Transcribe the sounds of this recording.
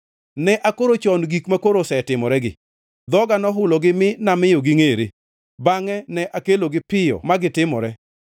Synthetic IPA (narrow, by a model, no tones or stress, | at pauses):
nɛʔakoɾot͡ʃɔnɡikmakoɾosɛtɪmɔɾɛɡɪ̰ | d̪ɔɡanɔɦʊlɔɡɪmɪnamɪjoɡɪŋeɾḛ | baŋɛnɛʔakeloɡɪpɪjɔ̰maɡɪtɪmɔ̰ɾɛ